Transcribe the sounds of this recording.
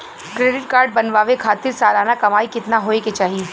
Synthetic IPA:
kɾeːɖɪʈkaːɾɖ̚bɐnʋaːʋekʰaːt̪ɪɾsaːlaːnakɐmaːikɪt̪naɦoːeket͡ʃaːɦieː

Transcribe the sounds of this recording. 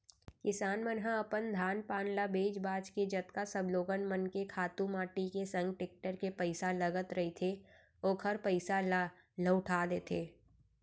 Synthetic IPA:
kɪsaːnmənɦãɐpənd̪ʱaːnpaːnlabeːd͡ʒbaːd͡ʒked͡ʒɐt̪kasəbloːɡənmənkekʰaːt̪ũmaːʈikesɐ̃ŋɡ̚ʈɪk̚ʈəɾkepəɪsaləɡət̪ɾɐɦit̪ʰe | oːkʰəɾpəɪsa | ləʊʈʰaːd̪eːt̪ʰeː

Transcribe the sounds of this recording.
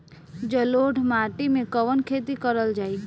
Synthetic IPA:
d͡ʒəloːɖʱmaːʈimẽkəʋənkʰeːt̪ikəɾəld͡ʒaːi

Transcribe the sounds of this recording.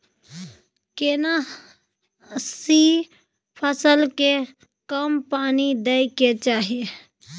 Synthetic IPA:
kena | si | pʰəsəlke | kəmpanid̪əjket͡ʃaːɦi

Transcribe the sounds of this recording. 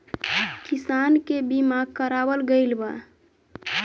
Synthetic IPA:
kisankebimaɡ̚kəɾabəlɡəɪlba

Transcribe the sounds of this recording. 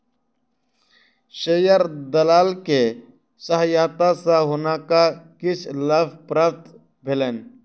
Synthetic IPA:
ʃejəɾd̪əlaːlke | səɦjaːt̪asaɦʊnakakɪt͡ʃʰləbpɾəpt̪ | bʱelen

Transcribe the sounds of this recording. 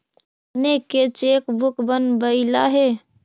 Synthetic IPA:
nekːet͡ʃekbukbənbəɪlaɦe

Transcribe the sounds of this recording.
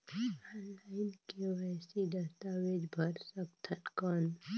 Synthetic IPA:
ɔnlaːɪnkewɛsid̪əst̪aːwed͡ʒbʱəɾsəkt̪ʰənkɔn

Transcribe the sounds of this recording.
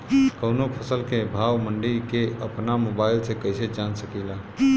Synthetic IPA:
kəʊnopʰəsəlkebʱawməɳɖiɾkeəpnamobaɪlsẽkəjsed͡ʒansəkila

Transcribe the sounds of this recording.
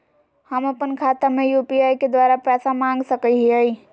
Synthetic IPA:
həməpənkʰat̪amẽjupiaiked̪waɾapɛːsamãŋɡsəkəɦiəi

